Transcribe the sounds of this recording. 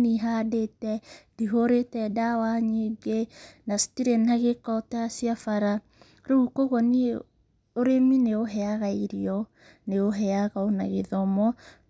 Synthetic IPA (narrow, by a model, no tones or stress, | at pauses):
niɦadetɛdiɦoɾetɛdawaɲeɡenastiɾenaɣekɔtaasiafaɾa | ɾoukoɣɔni | oɾemineoɦɛaɣaiɾiɔ | neoɦɛaɣaona̰ɣeðɔmɔ